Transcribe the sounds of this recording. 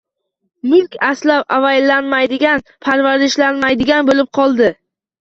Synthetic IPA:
mɪlʲkʲaslapavajlanmajd̪ɪɡʲanpʰaɾvaɾɪʃlanmajd̪ɪɡʲanbolɪp̚qʰɒlˠd̪ɪ

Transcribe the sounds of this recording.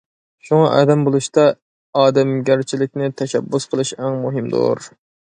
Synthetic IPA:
ʃuŋɑʔɑ̰ːd̪ɛmbolˠuʃt̪ɑ | ɑːd̪ɛmɡʲæɾt͡ʃʰilɪkʲnɪt̪ʰɛʃɛ̰bːusqʰəlˠɨʃæŋmuɦɪmd̪o̰ɾ

